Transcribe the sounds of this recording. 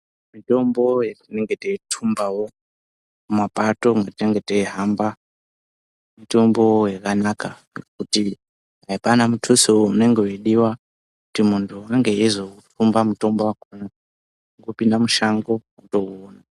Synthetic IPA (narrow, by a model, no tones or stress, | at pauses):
mito̞mbo̞jetineŋɡeteitʰumbawo̞ | umapato̞ŋɡateŋɡe̞teiɦamba | mito̞mbo̞jakanaka | kuti | ɦaipanamutʰusiwoune̞ŋɡe̞weɗiwa | kutimuntʰuaŋɡe̞jezoutʰumbamuto̞mbowakona | ŋɡopindamuʃaŋɡo̞ | uto̞ona